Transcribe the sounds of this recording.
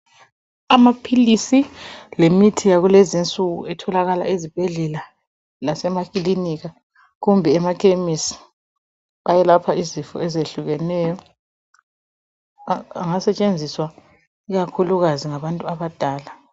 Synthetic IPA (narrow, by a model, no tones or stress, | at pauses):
amapʰilisilemitʰijaɣulɛzint͡sʼuɣṵɛtʰɔlaɣala̰izib̥ʱɛɮɛla | lasɛmakʼiliniɣa | ɣumbʱɛɛmakʰʼemisi̥ | ajɛlapʰaizifɔ̰ɛzeɬuɣɛnɛjɔ | ŋasɛt͡ʃʼend͡zʱiswa | iɣakʰuluɣaziŋaβantʼuaβad̥ʱaːla